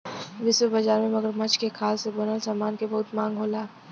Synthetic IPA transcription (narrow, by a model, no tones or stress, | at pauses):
ʋɪswəbɐd͡ʒaːɾmẽmɐɡəɾmɐt͡ʃʰkekʰaːlsebonəlsaːmaːnkebɐɦʊt̪mãːŋɡɦoːlaː